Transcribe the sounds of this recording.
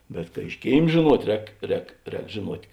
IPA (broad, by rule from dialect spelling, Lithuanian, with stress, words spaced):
bʲɛt kɐ ɪʃ ˈkʲeːɪm ʒʲeːˈnuɔtʲ ˈrʲɛːk ˈrʲɛːk ˈrʲɛːk ʒʲeːˈnuɔtʲ